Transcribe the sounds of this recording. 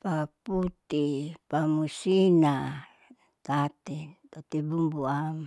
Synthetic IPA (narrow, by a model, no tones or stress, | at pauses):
paput̪ipamusina | t̪at̪et̪ot̪ibumbuama